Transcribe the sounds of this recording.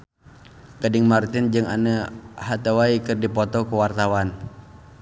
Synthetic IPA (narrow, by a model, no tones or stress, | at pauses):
kadɪŋmart̪ɪnd͡ʒɨŋa̰nəhat̪əwaikɨrdipɔt̪ɔkuwart̪awan